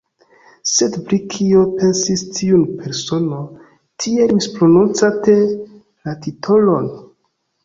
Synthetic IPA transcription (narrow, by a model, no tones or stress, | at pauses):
se̞dpɾikʰio̞pe̞nsistʰiunpʰe̞ɾso̞no | tʰielmispɾonont͡sate | latitʰolon